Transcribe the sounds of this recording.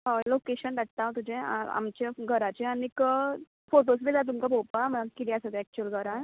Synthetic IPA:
ɦəlokeɕənɖaʈ̚t̪ãw̃t̪ud͡ʑẽa̰a̰mt͡ɕeɡʱəɾat͡ɕeanik | foʈos̬bid͡z̪at̪̬umkapopam̤əakiɾijasad̪eɛk̚t͡ɕuəlɡʱəɾan

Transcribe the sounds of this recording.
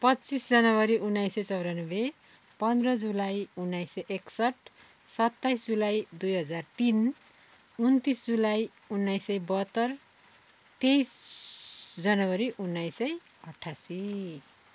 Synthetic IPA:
pʌtːt͡sisd͡zʌnʌbʌɾiʔunːajsʌt͡sʌwɾanʌbe | pʌnd̪rʌd͡zulajunːajsʌʔeksʌʈʰ | sʌt̪ːajsd͡zulajd̪ujɦʌd͡zart̪in | unt̪isd͡zulaj | unːajsʌjbʌɦʌt̪ːʌr | t̪ejs | d͡zʌnʌbʌɾiʔunːajsʌj | ʌʈʰasi

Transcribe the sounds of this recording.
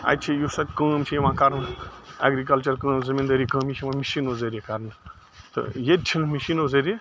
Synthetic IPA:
a̰t͡ʃʰijusɐt̪ʲkəːmt͡ʃʰimãkaɾna̰ɡɾik̬ɐlt͡ʃɐɾkə̃ːmzimind̪ɐɾikə̃ːmit͡ʃʰimãmisinod͡zɐɾʲikaɾnɨ | t̪ɨ̰jed̪̚t͡ʃʰinmisinod͡zɐɾi

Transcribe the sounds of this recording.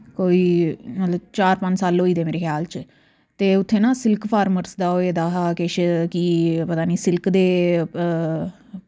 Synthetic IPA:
koːiːmət̪ləbt͡ʃaːɾpə̃ɲd͡ʒsaːlɦoːiːd̪eːmeːɾeːkʰjaːlt͡ʃ | t̪eːʊt̪ʰːeːnãːsɪlkpʰaːɾməɾsd̪aːɦoːeːd̪aːɦakeʃkiːpət̪aːniːsɪlkd̪eː

